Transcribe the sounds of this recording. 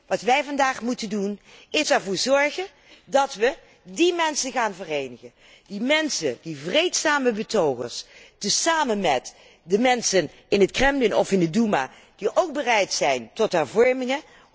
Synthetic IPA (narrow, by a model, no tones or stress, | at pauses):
ʋɑtʋɛjvɑndaːχmutəndunɪsɛɹvʊːɹzɔɹχən | dɑtʋə | dimɛnsəχaːnvərejnəχən | dimɛnsəd̥ivrejtsaːməbətowχə̰ɹstəsaːmənmɛt | dəmɛnsən | ɪnətkrɛmlɪnɔ̰fɪndəduma̰ː | d̥iʔowk̚bərɛjtsɛjntɔtɦɛɹvɔɹmɪŋə